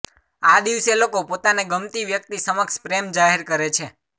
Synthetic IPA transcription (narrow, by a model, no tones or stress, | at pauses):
ad̪iʋselokopot̪aneɡəmt̪iʋjək̚t̪isəməkʃpɾemd͡ʒaɦeɾkəɾet͡ʃʰe